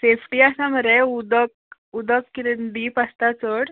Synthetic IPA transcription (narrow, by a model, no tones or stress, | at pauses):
sefʈiːasaməɾeud̪ək̚ | ud̪əkːiɾend̪iːpast̪at͡səɽ